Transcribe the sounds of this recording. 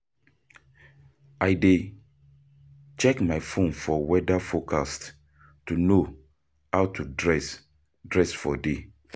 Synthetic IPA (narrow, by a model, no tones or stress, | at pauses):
aɪde | t͡ʃɛkmaɪfõnfɔwɛdafokʰast | tuno | hawtʰudɹɛs | dɹɛsfɔde